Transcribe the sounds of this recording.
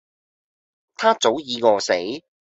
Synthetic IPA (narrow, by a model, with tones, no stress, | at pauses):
t̪ʰaː˥t͡so˨˥wjiː˨˧kɔː˧se˨˥j